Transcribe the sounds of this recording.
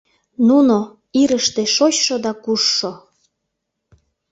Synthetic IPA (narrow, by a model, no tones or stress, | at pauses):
nuno | iɾəʃt̪eʃot͡ɕʃod̪ɑkuʃːo